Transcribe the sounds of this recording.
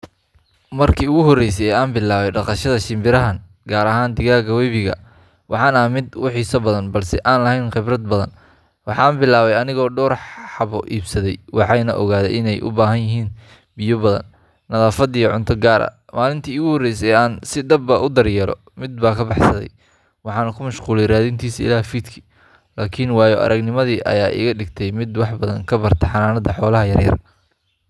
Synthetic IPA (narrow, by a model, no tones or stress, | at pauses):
mɐrkʰiːʊɣʊɦɔrːɛjsɛjɛaːnbɪlaːβɛjɖɑqɑʃɐðɐʃɪmbɪɾɐɦɐn | ɡaːɾɐɦaːnd̪ɪɣaːɣɐwɛjβɪɣɐ̰ | wʔɑħɑːnaːmɪd̪wʊħiːsɐbɐðɐnbɐlsɛʔaːnlɐɦɛjnqɪbɾɐd̪̚bɐðɐ̰n | wɑħɑːnbɪlaːβɛjɐnɪɣɔːɖɔːrħħɑβɔʔiːbsɐðɛjwɑħɑjnɐ̰ʔɔ̰ɣaːðɛ̰ʔɪnɛjʔʊ̰baːɦɐnjɪɦiːn | bɪjɔbɐðɐ̰nː | ɐðaːfɐd̪ijɐʕʊnt̪ʰɐɡaːɾʔɐ̰ | maːlɪnt̪ʰiːɪɣʊhɔrːɛjsɛjaːnsɪd̪ɐbɐʔʊd̪ɐrjɛːɾɔ̰ | mɪd̪̚baːkʰɐbɑħsɐðɛ̰j | wɑħɑːnɐkʰʊmɐʃquːlɛjraːðint̪ʰiːsɪ̰laːfiːd̪kʰi̥ | laːkʰɪnwɑːjɔʔɐ̰ɾʔɐɡnɪmɐðiːʔɐ̰jaːʔɪ̰ɣɐɖɪɡt̪ʰɛjmɪd̪wɑħbɐðɐŋkʰɐbɐrt̪ʰɛħɑnaːnɐd̪ɐħɔːlɐɦɐjɐ̰rjɐ̰r